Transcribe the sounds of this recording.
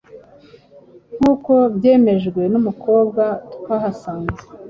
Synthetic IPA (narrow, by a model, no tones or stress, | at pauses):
ŋ̥uːko̞bɟe̞ːme̞ʒɡwe̞numuko̞ːbɡatu̥kaɦasaːnze